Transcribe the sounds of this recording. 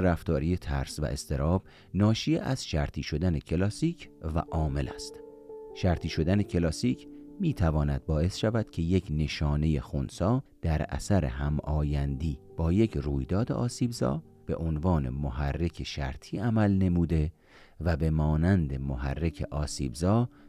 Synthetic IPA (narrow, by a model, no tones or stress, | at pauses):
ɾæft̪ɒːɾiːje̞t̪ʰæ̰ɾsvæ̰ʔḛst̪e̞ɾɒːb̥̚ | nɒːʃieʔæz̥ʃæɾt̪ʰiːʃo̞d̪æne̞cʰe̞lɒːsiːcʰvæ̰ʔɒːme̞læ̰st̪ | ʃæɾt̪ʰiːʃo̞d̪æne̞cʰe̞lɒːsiːcʰmiːt̪ʰævɒːnæd̪̥̚bɒːe̞sʃævæd̪̥cʰe̞jecʰne̞ʃɒːne̞je̞xonsɒːd̪̥æɾæ̰sæɾḛɦæmɒːjænd̪iːb̥ɒːje̞cʰruːjd̪ɒːd̪ḛʔɒːsiːbzɒ̰ː | b̥e̞̰ʔonvɒːne̞̰mohærːe̞kʰeʃæ̰ɾt̪ʰiːæmælne̞muːd̪e̞ | væbe̞mɒːnænd̪e̞mohæ̰rːe̞kʰe̞̰ʔɒːsḭːbzɒː